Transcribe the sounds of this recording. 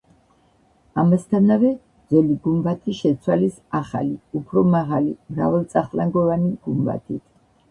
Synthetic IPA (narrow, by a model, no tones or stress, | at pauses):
amast̪ʰanavɛ | d̪zɛliɡumbat̪ʰiʃɛt̪sʰwalis | aχa̰liupʰɾɔmaʁalimɾa̰vɛlt̪sʼaχlaŋɡɔvaniɡ̥umba̰t̪ʰit̪ʰ